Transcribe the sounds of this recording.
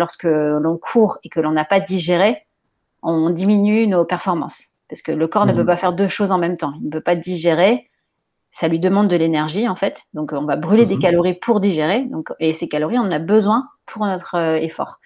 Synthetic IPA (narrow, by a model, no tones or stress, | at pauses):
lɔʁskəlɔ̃kʰuʁekəlɔ̃napad̪iʒeʁe | ɔ̃d̪iminynopɛʁfɔʁmɑ̰̃s | paʁskələkɔʁnəpøpafɛʁd̪øʃozɑ̃mɛmt̪ɑ̃ilnəpøpad̪iʒeʁe | salɥid̪əmɑ̃d̪ːəlenɛʁʒiɑ̃fɛt̪d̪ɔ̃kɔ̃vabʁyled̪ekalɔʁipʰuʁd̪iʒeʁed̪ɔ̃kesekalɔʁiɔ̃nɑ̃nabəzwɛ̃pʰuʁnɔt̪χøefɔ̰ːʁ